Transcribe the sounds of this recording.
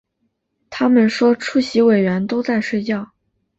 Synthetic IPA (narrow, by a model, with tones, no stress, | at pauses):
t̪ʰa˥mə˨nʂwɔ˥ʈ͡ʂʰu˥˩ɕi˧˥we˨˩ɪɥɛ˧˥nt̪o˥ʊt͡sa˥˧ɪʂwe˥˧ɪt͡ɕjɑ˥˩ʊ